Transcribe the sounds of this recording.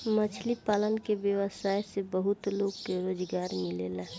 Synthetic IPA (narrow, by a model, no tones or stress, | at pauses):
mət͡ʃʰlipaːlənkebjəʋəsaːjsebəɦʊt̪loɡkeɾoːd͡ʒɡaːɾmɪlelaɦ